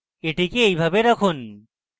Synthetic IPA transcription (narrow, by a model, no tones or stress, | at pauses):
eʈikeejbʱabeɾakʰun